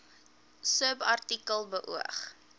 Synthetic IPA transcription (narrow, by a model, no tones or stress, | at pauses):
səbɐrtikəlˠbəʔuəχ